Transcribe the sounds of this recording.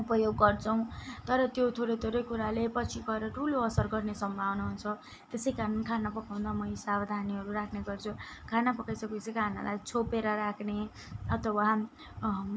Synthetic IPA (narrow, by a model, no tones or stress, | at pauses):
upʌjoɡːʌrt͡sʰʌw̃t̪ʌɾʌt̪jot̪ʰoɾʌjt̪ʰoɾʌjkuɾalepʌt͡sʰiɡʌeɾʌʈʰuloʌsʌrɡʌrnesʌmbʱawnaɦunt͡sʰʌ | t̪esʌjkaɾʌnkʰanapʌkaw̪̃d̪amʌisabd̪ʱaniɦʌɾuɾakʰneɡʌrt͡sʰukʰanapʌkajsʌket͡sʌkʰana̰lʔajt͡sʰopeɾʌɾakʰne | ʌt̪ʰʌwa